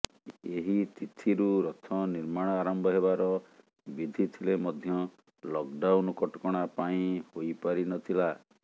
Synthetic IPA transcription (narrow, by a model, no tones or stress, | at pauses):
eɦit̪it̪ʰiɾuɾɔt̪ʰɔniɾmaɽ̃ɔaɾɔmbʱɔɦeβaɾɔ | bid̪ʱit̪ʰilemɔd̪ʱjɔ | lɔk̚ɖawnkɔʈɔkɔɽ̃apaĩhojpaɾinɔt̪ʰila